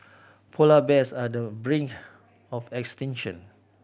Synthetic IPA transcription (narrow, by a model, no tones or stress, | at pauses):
pʰolabɛsadəbɹĩŋk | ɔfɛkstɛ̃nʃə̰̃n